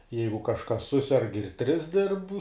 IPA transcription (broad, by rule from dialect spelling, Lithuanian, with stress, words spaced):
ˈjɛɪɡʊ kɐʃˈkɐs ˈsʊsʲɛrk ɪr tʲrʲɪs dʲɪrp